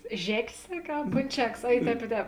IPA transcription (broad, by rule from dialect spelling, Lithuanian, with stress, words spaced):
ˈʒʲæːkʲeːs ˈsɑːkʲeː ɐ poːnʲˈt͡ʃʲæːkɐs ɐ ɪ ˈtʲɛːp ɪ ˈtʲɛːp